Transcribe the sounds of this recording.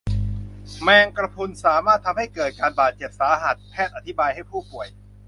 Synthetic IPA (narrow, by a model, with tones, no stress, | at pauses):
mɛː˧ŋkɾa˧pʰu˧nsaː˩˦maː˥˩t̪ʰːa˧mha˥˩jkɤː˨˩t̪̚kaː˧nbaː˨˩t̪̚t͡ɕe˨˩p̚saː˩˦ɦa˨˩t̪̚pʰɛː˥˩t̪̚a˨˧t̪ʰi˦˥baː˧jha˥˩jpʰuː˥˩pu˨˩əj